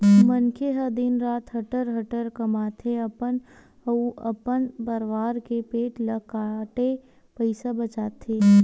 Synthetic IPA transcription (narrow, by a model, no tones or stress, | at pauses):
mənkeɦɐd̪iːnɾaːt̪ʰɦɐʈəɾɦɐʈəɾkɐmaːt̪ʰeɐpənɐuɐpənbəɾʋaːɾkepeːʈləkaːʈe | pəɪsabət͡ʃaːt̪ʰeː